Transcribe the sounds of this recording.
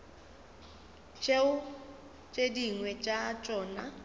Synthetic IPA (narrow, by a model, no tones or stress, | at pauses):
t͡ʃʼeʊ | t͡ʃʼediŋwɛt͡ʃʼat͡ʃʼɔːna